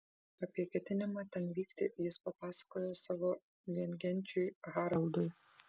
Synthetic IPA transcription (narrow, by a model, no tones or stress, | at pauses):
ɐpʲiɛkʲɛt̪ʲɪnʲɪmɑːt̪ʲɛnʋʲiːkt̪ʲɪjɪspɐpɑːsɐ̥koːjosɑːʋo | ʋʲiɛŋʲɡʲɛnʲt͡ʃʲʊjɣɑːɾɐlˠd̪ʊj